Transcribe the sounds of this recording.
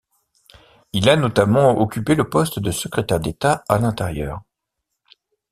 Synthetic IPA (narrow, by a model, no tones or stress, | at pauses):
ilanɔt̪amɑ̃ɔkʲypeləpɔst̪d̪əsəkχet̪ɛʁd̪et̪aalɛ̃t̪ɛʁjœ̰ːʁ